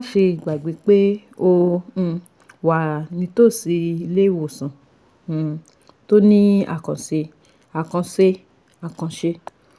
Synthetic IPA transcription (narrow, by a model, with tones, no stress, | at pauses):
fi˧˨ɡ͡ba˨ɡ͡be˨˦k͡pe˦õ˧ | wa˨nĩ˧to˦˨si˧i˧le˦wo˦˨sã˨ | to˦nĩ˦a̰˦˨kã˨se˧ | a˨kã˧se˧ | a˨kã˧ʃe˧